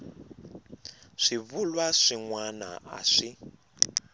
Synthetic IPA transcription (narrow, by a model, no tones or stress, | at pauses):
ʂiβulwaʂiŋwana̰a̰ʂi